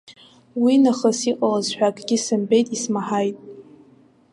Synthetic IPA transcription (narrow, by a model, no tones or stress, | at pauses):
winaχəsiqʼalazħʷᶣakʼɡʲɪsɨmbe̞jtʼismaħajtʼ